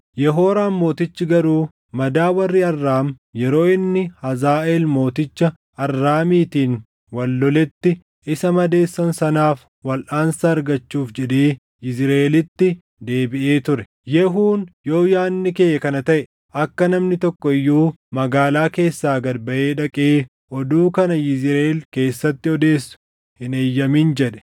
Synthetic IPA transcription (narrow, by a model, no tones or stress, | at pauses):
jɛɦo̞ːɾaːnmo̞ːt̪ɪt͡ʃːɪɡɐɾuː | mɐd̪aːwɐrːiɐrːaːm | jɛɾo̞ːɪnːɪhɐzaːʔeːlmo̞ːt̪ɪt͡ʃːɐ | ɐrːaːmiːt̪iːn | wɐlːɔlɛt̪ːɪ | ɪsɐmɐd̪e̞ːsːɐnsɐnaːf | wɐlʔaːnsɐːɾɡɐt͡ʃːuːfd͡ʒɛᶑeː | ʔɪzɾɐelɪt̪ːɪ | d̪e̞ːbɪʔe̞ːt̪ʊɾɛ̥ | jɛɦuːnjo̞ːjaːnːɪkeːjːɐkɐnɐt̪ɐʔɛ | ʔɐkːɐnɐmnɪt̪ɔkːɔɪjːuː | mɐɡaːlaːke̞ːsːaːɡɐdbɐʔeːᶑɐkʼeː | ʔɔd̪uːkɐnɐjɪzɾelke̞ːsːɐt̪ːɪɔd̪e̞ːsːʊ̥ | hɪneːjːɐmind͡ʒɛᶑɛ̥